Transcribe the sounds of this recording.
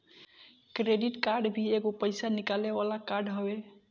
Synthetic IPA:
kɾeɖiʈkaɾɖbʱieɡopəjsanikalebalakaɾɖɦəbe

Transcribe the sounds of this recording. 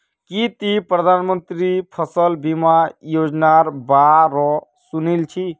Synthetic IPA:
kit̪ipɾəd̪ʱanmənt̪ɾipʰəsəlbimajod͡ʒnaɾbaɾɔ | sunilt͡ʃʰi

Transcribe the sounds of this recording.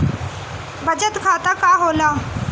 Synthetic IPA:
bəd͡ʒət̪kʰaːt̪aːkaːɦoːlaː

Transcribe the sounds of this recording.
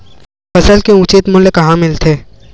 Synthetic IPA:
fɐsəlkeʊ̃t͡ʃit̪mʊlkɐɦãmɪlt̪ʰeː

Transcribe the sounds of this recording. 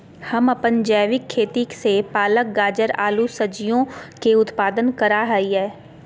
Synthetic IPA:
hɐmɐpənd͡ʒɛːʋɪkʰːeːt̪iksepaːlək̚ɡaːd͡ʒəɾaːlusɐd͡ʒijõkeʊt̪paːd̪ənkəɾaɦɐiɦɛː

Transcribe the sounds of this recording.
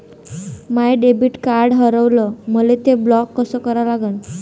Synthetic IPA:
majɖebiːʈkaɾɽɦəɾəʋləməlet̪eblɔkːəsəkəɾalaɡən

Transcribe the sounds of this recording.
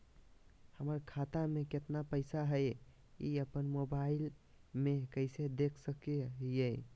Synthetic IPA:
həməɾkʰat̪ameket̪napəɪsaɦəj | ḭəpənmobail | mekəɪsed̪ekʰsəkejəj

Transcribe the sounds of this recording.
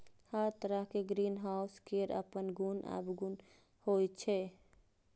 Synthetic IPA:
həɾt̪əɾaɦkeɡɾiːnɦaʊskeɾə̰pənɡunə̰bɡun | hojt͡ʃʰɛ

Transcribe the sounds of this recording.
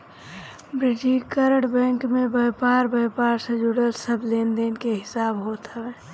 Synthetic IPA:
bɾɪd͡ʒikəɾəɽbɛ̃ːŋkmẽbəːpaːɾbəpaːɾsed͡ʒʊɽəlsəbleːnd̪eːnkeɦɪsaːbɦoːt̪ɦəʋeː

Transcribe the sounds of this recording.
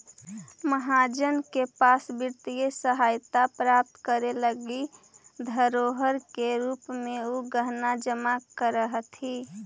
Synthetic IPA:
məɦad͡ʒənkepasbɪɾt̪ijesəɦajt̪apɾap̚t̪kəɾeləɡid̪ʱəɾoɦəɾkeɾupmẽoɡəɦnad͡ʒəmakəɾəɦt̪ʰi

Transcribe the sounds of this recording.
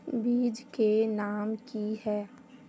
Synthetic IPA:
biːd͡ʒkenaːmkiɦɛː

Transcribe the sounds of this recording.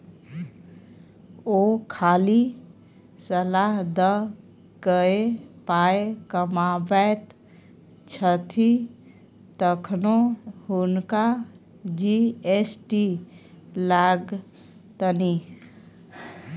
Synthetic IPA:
okʰali | səlaɦd̪ə | ɡəepaekəmabɛt̪ | t͡ʃʰət̪ʰi | t̪əkʰnohunka | d͡ʒiesʈi | laɡ | t̪əni

